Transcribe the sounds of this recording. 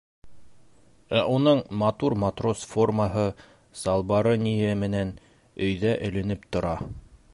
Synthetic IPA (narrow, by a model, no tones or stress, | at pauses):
æʔunɤɴmɑt̪uɾmɑt̪ro̞sfo̞rməɦɤ | sɑlˠβɑɾɤnijæmɘ̆næn | ɵ̆jðæʔɵ̆lɘ̆nɘpt̪ŏɾɑ